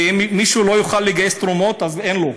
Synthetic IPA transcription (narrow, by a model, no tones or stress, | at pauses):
immːiʃulojuχalːeiɡajest̪ɾomot̪azenlo